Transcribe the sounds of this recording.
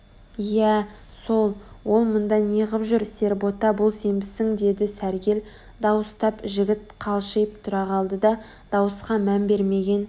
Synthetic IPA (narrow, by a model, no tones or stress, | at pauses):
jæ | so̞lˠwo̞lˠmʊnd̪ɑniʁəpʒʏɾse̞ɾbo̞t̪ɑbʊlˠse̞mbɪsɪŋd̪e̞d̪ɪsæɾɡʲe̞l | d̪ɑwəst̪ɑpʒɪɡʲɪt̪qʰɑlˠʃejp̚t̪ʰʊɾɑʁɑlˠd̪əd̪ɑ | d̪̥ɑwəsqɑmænbe̞ɾme̞ɡʲe̞n